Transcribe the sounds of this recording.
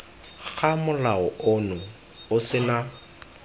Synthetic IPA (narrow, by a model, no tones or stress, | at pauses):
ɣamʊlaʊʊnʊ | ʊsɪna